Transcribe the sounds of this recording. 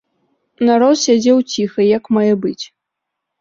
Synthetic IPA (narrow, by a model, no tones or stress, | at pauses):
naɾɔt̪sʲad͡zʲɛwt͡sʲixɐjakmajɛbɨt͡sʲ